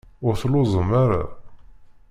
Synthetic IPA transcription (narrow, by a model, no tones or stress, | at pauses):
ʊɾθlʊzˤəmːaɾa̰